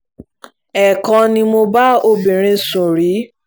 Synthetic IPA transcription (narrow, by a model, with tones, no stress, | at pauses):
ɛ˨kɔ̃˧nĩ˧mo˧ba˦o˧bi˨ɾ̃ĩ˨˧sũ˨ɾi˨˦